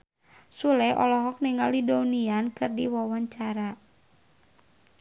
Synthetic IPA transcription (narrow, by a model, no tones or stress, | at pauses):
sulɛʔɔ̰lɔɦɔk̚niŋalidauniankɨrdiwawaɲt͡ʃaɾa